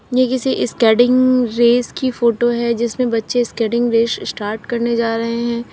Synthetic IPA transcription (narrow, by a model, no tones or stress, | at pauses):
jekɪsiʔɪskɛːɖɪ̃ŋɡɾeːskifoːʈoɦɛd͡ʒɪsmẽbɐtːʃeskɛːɖɪ̃ŋɡɾeːssʈaːɾʈkɐɾned͡ʒaːɾɐɦeɦɛ̃ː